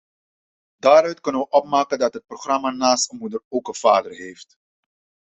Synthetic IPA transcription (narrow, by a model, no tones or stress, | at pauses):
daːɾœɥtkɵnənʋəʔɔp̚maːkəndɑtɦət̚proχrɑmaːnaːstəmudəroːkəv̥aːdərɦeːft